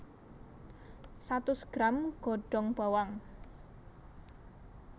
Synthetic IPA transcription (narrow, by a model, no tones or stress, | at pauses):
sat̪ʊsɡ̥ɾamɡ̥ɔɖ̥ɔ̤ŋb̥a̤waŋ